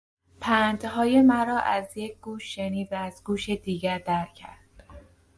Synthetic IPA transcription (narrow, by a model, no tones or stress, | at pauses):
pʰænd̪ɦɒːje̞mæɾɒːʔæzje̞c̚ʰɡ̥uːʃːeniːd̪væːzɡuːʃed̪iːɟæɾd̪æɾcʰæ̰ɾd̪̥